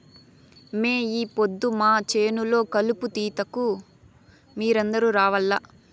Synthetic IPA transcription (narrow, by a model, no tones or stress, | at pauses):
meːiːpod̪ːumaːt͡ʃe̞ːnulo̞ːkɐluput̪iːt̪ɐku | miːɾɐnd̪ɐɾuːɾaːʋɐlːa